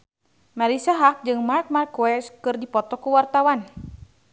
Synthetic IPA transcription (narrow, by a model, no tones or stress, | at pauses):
maɾisaɦak̚d͡ʒɨŋmark̚markuwɛskɨrdipɔt̪ɔkuwart̪awan